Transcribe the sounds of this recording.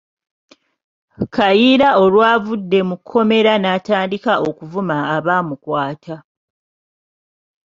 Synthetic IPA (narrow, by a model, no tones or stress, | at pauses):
kajiɾao̞lwaːvudːe̞mukʰːo̞me̞ɾanaːtaːndikaʔo̞kuvumaːβaːmukwaːtʰa